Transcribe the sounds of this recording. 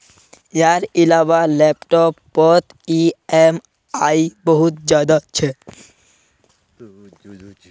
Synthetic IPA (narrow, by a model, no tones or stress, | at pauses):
eaɾilabalɛpʈɔpːɔt̪ | iem | ajboɦut̪d͡ʑad̪at͡ɕʰe